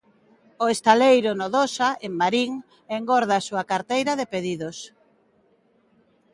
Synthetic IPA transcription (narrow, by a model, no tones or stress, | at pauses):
oest̪alejɾʊnoðosaʔeŋmaɾiŋ | eŋɡoɾð̞asuakaɾt̪ejɾaðepeðiðos